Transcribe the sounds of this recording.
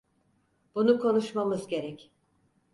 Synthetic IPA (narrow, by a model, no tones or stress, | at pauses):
b̥unukʰo̞nuʃmamɯzɟe̞ɾɛc